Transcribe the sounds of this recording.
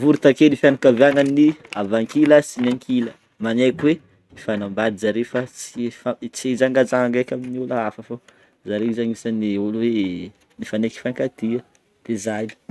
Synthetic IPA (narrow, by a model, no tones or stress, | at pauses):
vuɾut̪akelifjanakaveaŋanːiavaŋkiləsinaŋkʰilə | manajkwe | ifanambad̪izaɾefat͡sifat͡siezaŋɡad͡zaaŋɡajkʲaminiulaafəfo | zaɾeizaŋisaniulwe | nifaneki̥faŋkat̪iə | lezajni̥